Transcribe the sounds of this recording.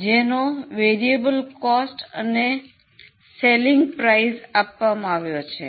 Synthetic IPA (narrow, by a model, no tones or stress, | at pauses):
d͡ʒenoʋeɾiebəlkɔsʈəne | seliŋɡpɾaizapʋamãaʋjot͡ʃʰḛ